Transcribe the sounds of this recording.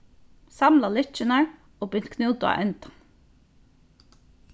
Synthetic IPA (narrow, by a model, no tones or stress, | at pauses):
sɑmlalʏt͡ʃɪnaɹ | ɔːpʏn̥t̪kʰnuːt̪ʊa̰ʔœnt̪ḁ